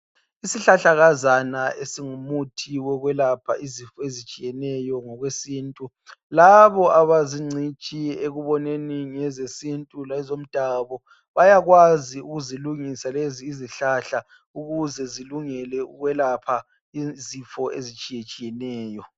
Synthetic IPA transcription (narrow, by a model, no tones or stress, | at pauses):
isiɬaɬaɣazanaʔesiŋumutʰiwɛɣwɛlapʰaʔizifɔezit͡ʃʼijɛnɛjɔŋɔɣwesiːntʼu | laβɔʔaβaziŋ͡ǀʱit͡ʃʼieɣuβɔneniŋɛzesintʼulaɛzom̩d̥ʱaβɔ | βajaɣwaziuɣuziluŋisaleziːziɬaɬa | uɣuzɛziluŋɛlɛuɣwɛlapʰa | izifɔʔezit͡ʃʼijɛt͡ʃʼijɛnɛːjɔ